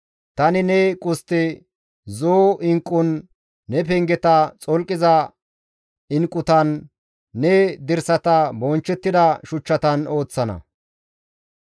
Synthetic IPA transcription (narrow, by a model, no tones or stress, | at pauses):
t̪ɐnɪnɛkʼʊst̪ːɛ | zoːɪŋkʼːʊnː | ɛpɛŋɡɛt̪ɐt͡sʼɔlkʼːɪzɐ | ɪŋkʼːʊt̪ɐnː | ɛd̪ɪɾsɐt̪ɐbɔnt͡ʃːɛt̪ːɪd̪ɐʃʊt͡ʃːɐt̪ɐno̞ːt͡sːɐnɐ̰